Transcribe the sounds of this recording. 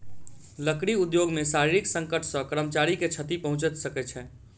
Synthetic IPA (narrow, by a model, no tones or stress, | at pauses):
ləkɽiud̪joɡmesaɾiɾiksə̃ŋkəʈʰsə̃kəɾəmt͡ʃaɾiket͡ʃʰət̪ipəɦũt͡ʃət̪səkɛt͡ʃʰɛ